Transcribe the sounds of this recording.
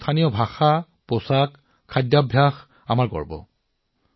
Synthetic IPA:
t̪ʰanijɔbʱaxa | posakʰː | adjabʱjax | a̰maɹkɔ̰ɹbɔ̰

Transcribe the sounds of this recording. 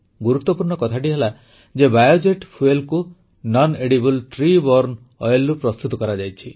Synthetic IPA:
ɡuɾut̪ːɔpuɾɳɔkɔt̪ʰaʈiɦela | d͡ʒebajod͡ʒeʈpʰuelku | nɔneɽibulʈɾibɔɾn | ɔjelːupɾɔst̪ut̪ɔkɔɾad͡ʒajt͡ʃʰi

